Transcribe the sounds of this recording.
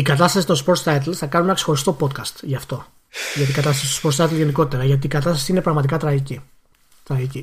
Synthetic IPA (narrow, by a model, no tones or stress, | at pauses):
ikɐt̪ɐst̪ɐsi̥t̪o̞spo̞ɾt̪st̪ɐt̪̬lθɐkɐnunenɐkse̞̥xo̞ɾist̪o̞po̞t̪kɐst̪ʝɐft̪o̞ | ʝɐt̪iɡɐt̪ɐst̪ɐsi̥t̪ospoɾt̪st̪ɐt̪elʝe̞niko̞t̪it̪eɾɐʝɐt̪̬iːkɐt̪ɐst̪ɐsiine̞pɾɐɣmɐt̪ikɐt̪ɾɐʝici | t̪ɾɐʝici